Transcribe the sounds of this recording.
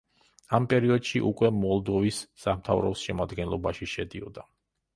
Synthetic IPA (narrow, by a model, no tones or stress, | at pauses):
ampʼɛɾiɔd̪ʃiʔukʼwɛmɔlˠd̪ɔvisːamt̪ʰavɾɔ̰sʃɛmad̪ɡɛnlˠɔbaʃiʃɛd̪iɔd̪a